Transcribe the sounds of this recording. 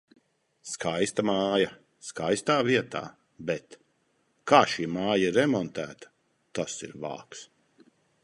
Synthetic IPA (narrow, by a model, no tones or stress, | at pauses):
skʰajst̪amaːja | skajst̪aːviɛt̪a̰ː | bɛt̪ | kaːʃiːmaːjiɾɛmɔnt̪æːt̪ɐ̥ | t̪asḭɾva̰ːks